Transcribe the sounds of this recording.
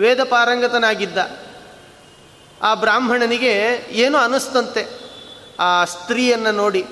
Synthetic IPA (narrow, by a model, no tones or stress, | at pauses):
ʋeːd̪ɐpaːɾɐŋɡɐt̪ɐnaːɡid̪ːɐ | aːbɾaːmbʱɐɳɐniɡe̞eːnuɐnust̪ɐnt̪e | aːst̪ɾiːjɐnːɐno̞ːɽi